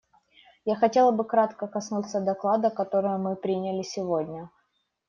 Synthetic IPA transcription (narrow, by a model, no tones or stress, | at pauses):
jaxɐtʲe̞lˠəbɨkɾat̪kəkɐsnut̪sːəd̪ɐklˠad̪əkɐt̪o̞ɾɨjʊmɨpɾʲinʲəlʲɪsʲɪvodʲnʲə